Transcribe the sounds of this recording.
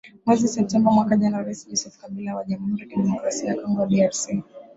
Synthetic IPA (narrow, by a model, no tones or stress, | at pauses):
mwɛzisɛp̚tɛmbamwakaʄanaɾaisd͡ʒɔsɛfkaɓilawaʄamhuɾikiɗɛmɔkɾasiakɔŋɡɔaɗiaɾsi